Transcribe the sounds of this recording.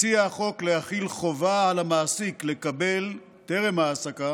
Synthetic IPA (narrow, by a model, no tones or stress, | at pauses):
t͡siaχo̞kleaχilχo̞vaʕalamaːsikle̞kabe̞l | t̪e̞ʁemhaːsaka